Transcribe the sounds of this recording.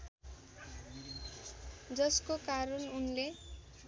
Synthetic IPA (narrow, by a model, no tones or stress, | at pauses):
d͡zʌskokaɾʌnunle